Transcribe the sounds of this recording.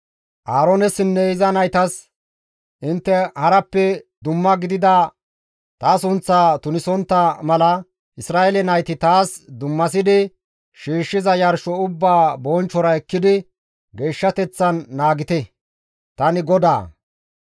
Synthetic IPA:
ʔaːɾonɛsɪnːɛɪzɐnɐjt̪ɐs | ʔɪnt̪ːɛhɐɾɐpːɛd̪ʊmːɐɡɪd̪ɪd̪ɐ | t̪aːsʊnt͡sːaːt̪ʊnɪsɔnt̪ːɐmɐlɐ | ʔɪsɾaːʔɛlɛnɐjt̪ɪt̪aːsd̪ʊmːɐs̬ɪd̪ɪ | ʃiːʃːɪzɐjɐɾʃɔʊbːaːbɔnt͡ʃːɔɾɐɛkːɪd̪ɪ | ɡe̞ːʃːɐt̪ɛt͡sːɐnːaːɡɪt̪ɛ | t̪ɐnɪɡɔd̪a̰ː

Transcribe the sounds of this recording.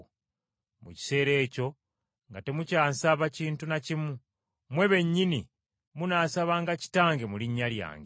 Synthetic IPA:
mṵci̥se̞ːɾe̞ːco̞ | ŋɡate̞mucaːnsaβaciːntunacimu | mwe̞βe̞ɲːini | munaːsaβaːŋɡaci̥taːŋɡe̞muliɲːalja̰ːŋɡe

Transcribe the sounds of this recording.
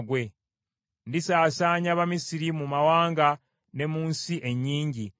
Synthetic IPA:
ɡwe̞ | ndisaːsaːɲaβamisiɾimumawaːŋɡa | ne̞muːnsiʔe̞ɲːiːɲɟi

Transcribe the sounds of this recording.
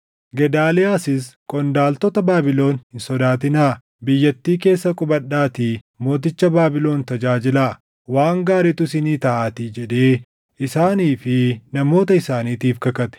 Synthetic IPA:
ɡɛd̪aːlɛaːsɪskʼɔnd̪aːlt̪ɔt̪ɐbaːbɪlo̞ːnhɪnsɔd̪aːt̪ɪnaː | bɪjːɐt̪ːiːke̞ːsːɐkʼʊbɐɗːaːt̪i | mo̞ːt̪̬ɪt͡ʃːɐbaːbɪlo̞ːnt̪ɐd͡ʒaːd͡ʒɪlaː | waːŋɡaːɾɛt̪ʊsɪniːt̪ɐʔaːt̪id͡ʒɛᶑe̞ː | ʔɪsaːniːfɪnɐmo̞ːt̪ɐɪsaːniːt̪iːfkɐkɐt̪ɛ̥

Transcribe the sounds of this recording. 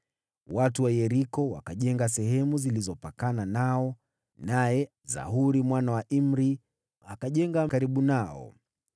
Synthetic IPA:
watuwajɛɾikɔwa̰kaʄɛŋɡasɛɦɛmuzilizɔpakananaɔ | najɛ | za̰ɦuɾimwanawaʔim̩ɾi | akaʄɛŋɡakaɾiɓunaɔ̰

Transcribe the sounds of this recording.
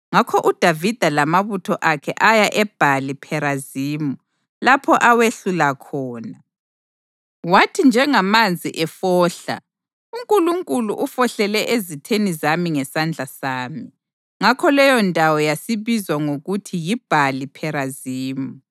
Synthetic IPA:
ŋakʰɔʔud̥ʱavid̥ʱalamaβutʰɔʔakʰɛʔajaʔɛb̥ʱalipʰɛɾaziːmu | lapʰɔʔaweɬulakʰɔːna | watʰind͡ʒʱɛŋamand͡zʱiʔɛfɔːɬa̰ | uŋkʼuluŋkʼuluʔufɔɬɛlɛʔezitʰenizamiŋɛsand͡ɮʱasaːmi | ŋakʰɔlɛjɔndʼʱawɔjasiβizwaŋoɣutʰijib̥ʱalipʰɛɾaziːmu

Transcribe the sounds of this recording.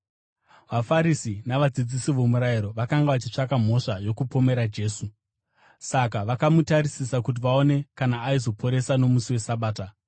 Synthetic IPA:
ʋafaɾisinaʋad͡zid͡zisiʋo̞muɾajiɾo̞ʋakaŋɡaʋat͡ʃit͡ʂakam̤o̞ʂajo̞kupome̞ɾad͡ʒe̞ːsu | sakaʋakamutaɾisisakut̬iʋaone̞kanaːizo̞pʰo̞ɾe̞sano̞musiwe̞saɓaːta

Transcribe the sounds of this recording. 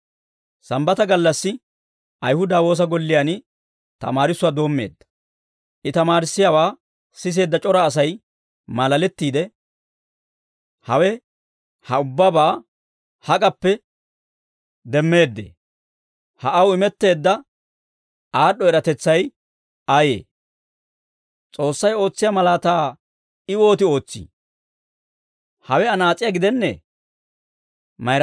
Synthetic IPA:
sɐmbɐt̪ɐɡɐlːɐsːɪ | ɐjhʊd̪aːwo̞ːs̬ɐɡɔlːɪjan | t̪ɐ̰maːɾɪsːʊwaːd̪o̞ːmːe̞̰ːd̪ːɐ̥ | ʔɪt̪ɐmaːɾɪsːɪjaːwaː | sɪs̬e̞ːd̪ːɐt͡ʃʼɔɾaːs̬ɐj | mɐlɐlɛt̪ːiːd̪ɛ | hɐwɛ | hɐʊbːabaː | hɐkʼɐpːɛ | d̪ɛmːe̞ːd̪ːḛ | hɐʔɐwɪmɛt̪ːe̞ːd̪ːɐ | aːɗɔɛɾɐt̪ɛt͡sːɐj | aːjḛː | t͡sʼo̞ːsːɐjo̞ːt͡sːɪjɐmɐlaːt̪aː | ɪwo̞ːt̪ɪo̞ːt͡sːḭ | hɐwɛɐnaːt͡sʼːɪjaɡɪd̪ɛnːɛ̰ | mɐjɾ

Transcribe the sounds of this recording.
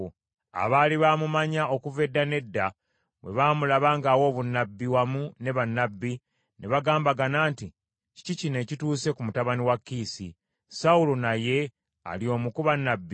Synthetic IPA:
a̰βaːliβaːmumaɲao̞kuve̞dːane̞dːa | βwe̞̰βaːmulaβaːŋɡaːwo̞ːβunːabːiwamune̞βanːabːi | ne̞βaɡaːmbaɡanaːnti | ci̥cicine̞ːcituːse̞kumutaβaniwakːiːsḭ | saulonaje̞ | a̰lio̞ːmukuβanːabːi

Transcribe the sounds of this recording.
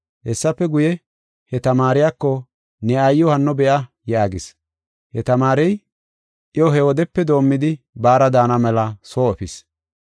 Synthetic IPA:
hɛsːɐpːɛɡʊjɛ | hɛt̪ɐmaːɾɪjakːɔ | nɛɐjːɔhɐnːɔbɛʔɐ | jaːɡɪs | hɛt̪ɐmaːɾɛj | ʔjɔɦɛwɔd̪ɛpːɛd̪o̞ːmːɪd̪ɪ | baːɾɐd̪aːnɐmɛlɐsoːɔfɪs

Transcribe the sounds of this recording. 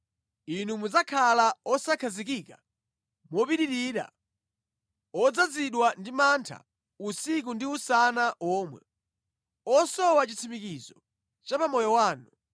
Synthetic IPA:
inumud͡zakʰalaɔsakʰazik̬ika | mɔpiɗiɾiːɾa̰ | ɔd͡zad͡ziɗwandimantʰa̰ | usik̬undiusanaʔɔːmwɛ̰ | ɔsɔwat͡ʃit͡sʰimikizɔ | t͡ʃapamɔjɔwaːnu

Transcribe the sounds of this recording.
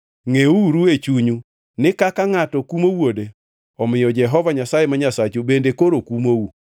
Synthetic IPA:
ŋeuɾuet͡ʃuɲu | nɪkakaŋatɔkumowode | ɔmɪjɔd͡ʒɛɦɔvaɲasajemaɲasat͡ʃobendekoɾokumowu

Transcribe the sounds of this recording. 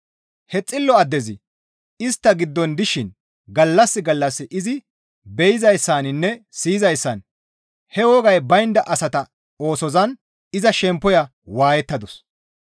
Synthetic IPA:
hɛt͡sʼːɪlːɔɐd̪ːɛzɪ | ɪst̪ːɐɡɪd̪ːɔnd̪ɪʃɪn | ɡɐlːɐsːɪɡɐlːɐsːɪʔɪzɪ | bɛjɪzɐjsːaːnɪnːɛsiːzɐjsːɐn | hɛwɔɡɐjbɐjɪnd̪ɐʔɐsɐt̪ɐ | o̞ːsɔzɐn | ɪzɐʃɛmpːɔjɐ | waːjɛt̪ːɐd̪ɔs

